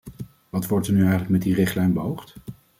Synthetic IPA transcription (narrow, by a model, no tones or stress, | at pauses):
ʋɑtʋɔɹtənyɛjχənləkmɛt̚dirɪχtlɛjnbəɦowχt